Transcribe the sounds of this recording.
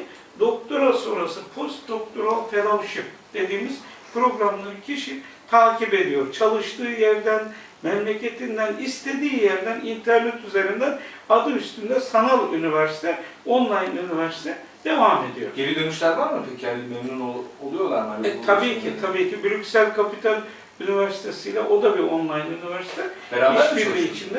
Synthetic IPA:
d̪o̞k̚t̪ʰoɾasoɾasɯpʰo̞st̪̚d̪o̞k̚t̪ʰoɾalˠfʰelˠowʃipd̪̥e̞d̪iːmiz̥pɾo̞ɡɾamnˠɯncʰiʃi | t̪ʰaːcibe̞d̪ijo̞ɾt͡ʃʰalˠɯʃt̪ʰɯːjæɾd̪æn | mɛmlʲe̞cʰe̞t̪ʰind̪ænist̪ʰe̞d̪iːjæɾd̪ænint̪ʰæɾnɛt̪ʰyze̞ɾind̪æn | ad̪ɯmyst̪ʰynd̪ɛsanalˠynivæɾsi̥t̪ʰɛ | o̞nlˠajnynivæɾsi̥t̪ʰɛ | d̪̥e̞vame̞d̪ijo̞ɾebid̪ønyʃlʲæɾvaɾmɯt̪ʰyɾcʰalʲːimemnunolˠujo̞lˠa̰ɾmat̪ʰabiːcʰit̪ʰabiːcʰibylʲycsælʲkʰapit̪ʰalʲ | ynivæɾsi̥t̪ʰe̞sijlʲaʔo̞d̪abio̞nlˠajnynivæɾsi̥t̪ʰɛ | beɾaːiʃbiɾlʲiit͡ʃʰind̪ɛ

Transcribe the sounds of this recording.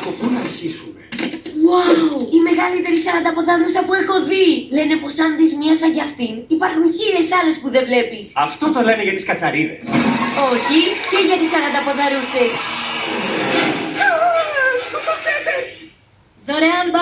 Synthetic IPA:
kopunɐɾçisumewawime̞ɣɐlit̪e̞ɾisɐɾɐnd̪ɐpo̞ðɐɾusɐpue̞xo̞ðile̞ne̞po̞sɐnðizmiɐsɐʝɐft̪inipɐɾxunçiɾe̞sɐle̞spuðe̞vle̞pisɐft̪o̞t̪o̞le̞neʝɐt̪i̥skɐt͡sɐɾiðe̞̰so̞çiceʝɐt̪isɐɾɐnd̪ɐpo̞ðɐɾuse̞s | ot̪ɐset̪ei | ðoɾeɐnb

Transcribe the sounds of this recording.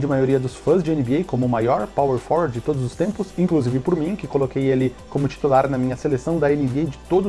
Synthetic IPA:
d͡ʒɪmajoɾiɐd̪ʊsfɐ̃zd͡ʒɪẽnɪbiejkõmʊmajɔɾpaweɾfɔwɾd͡ʒɪt̪od̪ʊzʊst̪ẽmpʊsĩkluzivɪpoɾmĩkɪkolokejelɪkõmʊt͡ʃi̥t̪ulaɾnɐmĩɲɐselesɐ̃w̃d̪ɐenɪbied͡ʒɪt̪od̪ʊ

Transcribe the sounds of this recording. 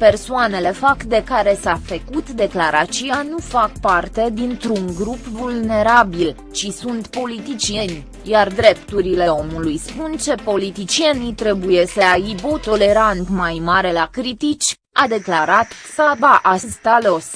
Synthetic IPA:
pe̞rsoane̞le̞fakd̪e̞kaɾe̞safəkut̪d̪e̞klaɾat͡ʃianufakpart̪e̞d̪int̪ɾuŋɡɾupvulne̞ɾabil | t͡ʃisunt̪po̞lit̪it͡ʃie̞nʲ | jard̪ɾe̞p̚t̪uɾile̞o̞mulujspunt͡ʃe̞po̞lit̪it͡ʃie̞nit̪ɾe̞buje̞səaibot̪o̞le̞ɾant̪majmaɾe̞lakɾit̪it͡ʃʲ | ad̪e̞klaɾat̪sabaʔasst̪alo̞s

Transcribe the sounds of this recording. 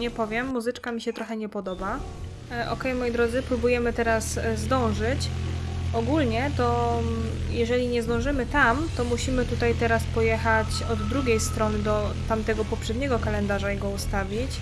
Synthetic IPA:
ɲɛpɔvʲjɛmːuzɘt͡ʂkamʲiɕɛt̪ɾɔxɛɲɛpɔd̪ɔba | ʔɔkɛjmɔjid̪ɾɔd̪zɘpɾubujɛmɘt̪ɛɾasːd̪ɔ̃w̃ʐɘt͡ɕ | ɔɡulɲɛt̪ɔ | jɛʐɛlʲiɲɛzd̪ɔ̃w̃ʐɘmɘt̪amt̪ɔmuɕimɘt̪ut̪ajt̪ɛɾaspɔjɛxat͡ɕ | ɔd̪ːɾuɡʲejst̪ɾɔnɘd̪ɔt̪amt̪ɛɡɔpɔpʂɛd̪ɲɛɡɔkalɛnd̪aʐaiɡɔust̪avʲit͡ɕ

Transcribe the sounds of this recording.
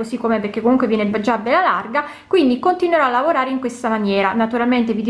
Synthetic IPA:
osikːomeperkːekːomuŋkwevjɛːnebad͡ʒːabːelːalarɡa | kwind̪ikont̪inweɾɔalːavoɾaːɾeiŋkwest̪amanjɛːɾanat̪uɾalment̪evid̪

